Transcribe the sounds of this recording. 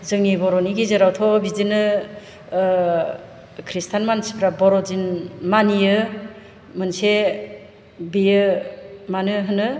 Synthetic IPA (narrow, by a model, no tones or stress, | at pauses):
zɯŋnibɔɾɔniɡizɯɾawtʰɔbidinɯ | kʰɾistʰanmanspʰɾabɔɾɔd͡ʒinmanijɯ | mɯnse | bijɯmanɯɦɯnɯ